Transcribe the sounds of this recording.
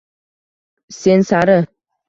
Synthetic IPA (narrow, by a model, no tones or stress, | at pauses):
sɛnsaɾə